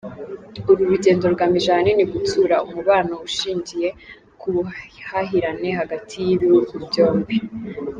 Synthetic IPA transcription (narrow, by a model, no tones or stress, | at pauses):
uɾuɾuɟe̞ːndo̞ɾɡamiʒaːniniɡutuɾaumuβaːnouʃiːɲɟije̞ | kʰuhaɦiɾane̞haɡatʰijiβiɾukubjo̞ːmbe